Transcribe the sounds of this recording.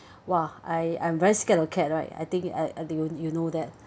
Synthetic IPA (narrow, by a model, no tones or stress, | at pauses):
waaɪã̰j̃mvɛɹiskɛləkʰɛt̚ɹaɪta̰jt̪ĩŋka̰jujunodɛt̚